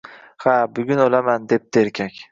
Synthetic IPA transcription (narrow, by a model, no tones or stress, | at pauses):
habʊɡʲʊnolamand̪e̞p̚d̪eeɾkʲʰakʲ